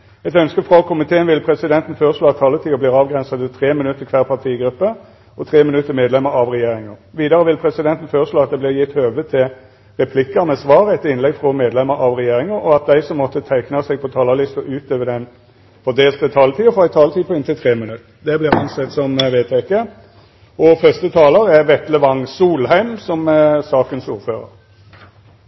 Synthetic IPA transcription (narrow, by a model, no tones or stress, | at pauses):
ɛt̪œnskəfʁɑkʰʊmɪt̪ʰeːənʋɪlpʰɾɛsɪd̪ɛnt̪n̩føːɾəʂloːɑt̪ʰːɑlːət̪ʰiːəbliːʁɑːʋɡʁɛnsəd̪ət̪ʰʁeːmɪnʉt̪ːəkʰʋæːʁpʰɑt̪ʰiːɡɾʉpːə | ʔɔt̪ʰʁeːmɪnʉt̪ːəmeːd̪lɛmːəɾɑʋʁɛjeːɾɪŋəʁʋiːd̪ɑʁəʋɪlpʰɾɛsɪd̪ɛnt̪n̩føːʁəʂloːɑt̪̚d̪ɛblɪʁjɪt̪ːøːʋət̪ʰɪl | ɾɛpʰlɪkːənɛsʋɑːɾəɛt̪ɪnlɛɡfʁɔmeːd̪lɛmːəɾʔɑʋʁɛjeːɾɪŋəɾɔɑt̪̚d̪æɪsɔmːɔt̪ːət̪ʰæɪknɑsɛɡ̚pʰɔt̪ʰɑːlɑlɪst̪əʔʉːt̪̚d̪øːʋəd̪ɛn | fɔd̪eːlt̪ət̪ʰɑːlt̪ʰiːəfɔæɪt̪ʰɑːlt̪iːəpʰɔɪnt̪ɪlt̪ʰʁeːmɪnʉt̪ː | d̪ɛblɪʁɑnsɛt̪ːsɔmʋeːt̪ʰɛkə | ɔfœst̪ət̪ʰɑːləɾɛʁʋɛt̪ləʋɑŋsuːlɦæɪmsɔmsɑːkənsuːʁføːʁə̰ɾ